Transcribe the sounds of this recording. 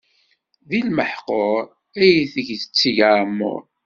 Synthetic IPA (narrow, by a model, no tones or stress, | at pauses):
ðilməħqoɾ | æjθəʝθət͡sːiʝamːʊ̰ɾ